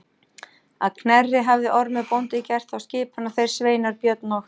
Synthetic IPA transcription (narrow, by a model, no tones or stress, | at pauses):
a̰ðkʰnɛrːɪɦavðɪʔɔɾmɪpownt̪ɪcɛr̥t̪awscɪːphanːaθejɾ̥sveːjnaɾpjœt̪nɔx